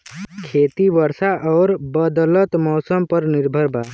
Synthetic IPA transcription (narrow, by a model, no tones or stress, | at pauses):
kʰet̪ibəɾsaʔɔːɾbəd̪lət̪mɔsəmpəɾniɾbʱəɾba